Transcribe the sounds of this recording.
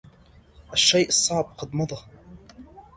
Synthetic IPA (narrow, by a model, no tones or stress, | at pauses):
ʔaʃːejʔɨsˤːɑʕb̚qɑd̪mɑd̪ˤɑ